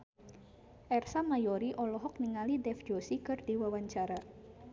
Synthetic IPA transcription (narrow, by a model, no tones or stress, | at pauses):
ʔɛrsamajoɾiʔɔlɔɦɔk̚niŋalidɛfd͡ʒosikɨrd̥̪iwawaɲt͡ʃaɾa